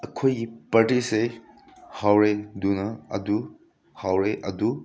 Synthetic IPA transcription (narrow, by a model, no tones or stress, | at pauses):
ɐkʰojɡipaɾtise | hawɾedunɐɐdu | hawɾeʔɐ̰du